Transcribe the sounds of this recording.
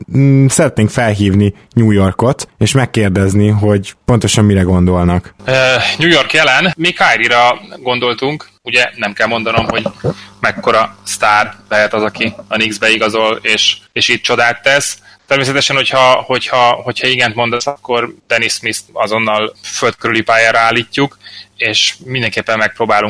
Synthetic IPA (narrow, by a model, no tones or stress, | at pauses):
sɛɾɛt̪neːŋkfɛlɦiːvni | ɲuːjo̞rko̞t̪eːʃmɛkːeːrd̪ɛzniɦo̞ɟpo̞n̪t̪o̞ʃɒmːiɾɛɡo̞nd̪o̞lnɒkøɲuːjo̞rkjɛlɛnmikʰaːjɾiɾɒɡo̞nd̪o̞lt̪uŋk | uɟɛnɛmkɛlmo̞nd̪ɒno̞mho̞ɟmɛkːo̞ɾɒst̪aːrbɛjɛt̪ɒzɒkiɒniɡzbɛiɡɒzo̞leːʃeːʃiːt̪̚t͡ʃo̞d̪aːt̪ːɛst̪ɛrmeːsɛt̪ɛʃɛnho̞chɒho̞chɒho̞cʰhɒiɡɛnt̪mo̞nd̪ɒsɒkːo̞rt̪ɛnismist̪ɒzo̞nːɒlfølt̪̚køɾylipaːjaːɾɒaːlːiːcːukeːʃmind̪ɛŋkeːpːɛmːɛk̚proːbaːluŋ